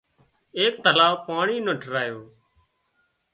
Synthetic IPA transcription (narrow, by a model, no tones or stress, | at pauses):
eːk̚t̪əlaːʋpaːɳiːnõːʈəɾaːjoː